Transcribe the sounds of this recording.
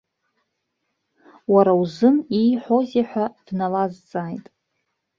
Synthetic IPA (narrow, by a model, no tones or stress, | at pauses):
waɾawzɨnijħʷo̞zaħʷᶣad̥nalazt͡sʼaːjtʼ